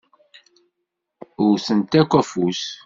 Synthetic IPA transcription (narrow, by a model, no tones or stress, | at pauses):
ʊɾθənt̪ækʷːæfus